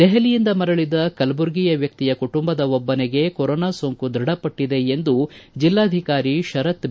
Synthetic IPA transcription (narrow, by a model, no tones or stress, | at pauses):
d̪ɛɦɐlijind̪ɐmɐɾɐɭid̪ɐkɐlbuɾɡijɐʋjɐk̚t̪ijɐkuʈumbɐd̪ɐɔbːɐneɡe̞koɾonaːsoːŋkud̪ɾɐɽɐpɐʈːid̪e̞end̪ud͡ʒilːaːd̪ʱikaːɾiʃɐɾɐt̪